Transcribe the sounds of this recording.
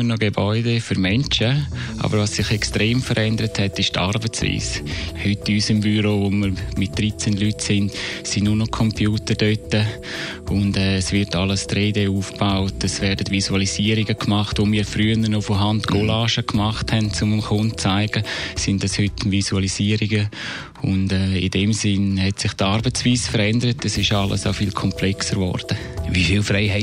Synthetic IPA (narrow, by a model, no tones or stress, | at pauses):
ənɔɡebɔʏdefyɾmɛnt͡ʃəʔɑ̰bəɾvʋɑsːɪχɛkstɾeːmfəɾʔɛndəɾəthɛtɪʃtʰɑ̰ɾbət͡svḭːshytːyːsɪmbyɾovoməɾmɪt̚d̥ɾit͡senlytsɪndsɪnnʊnɔkʰɔmpʰjuːtəɾd̥øtə | ʊndɛːsvɪɾtɑləstɾeːdeuːfb̥aʊtəsvɛɾdətvisualisiːəɾiɡəkmɑχtʋomiːɾfɾyːənəɾnofɔɦandɡolaːʃəkmaχthɛnt͡sʊmɪmkʊntt͡saɪɡ̥əsɪndɑshʏtɪmvisualisiːəɾiɡə | ʊndɛːidɛmsɪnhɛtsɪχtɑɾbət͡sviːsfəɾɛndəɾətəsɪʃɑlə̰saʊfiːlkʰɔmplɛksəɾvɔ̰ɾd̥ə | ʋifilfɾɛɪha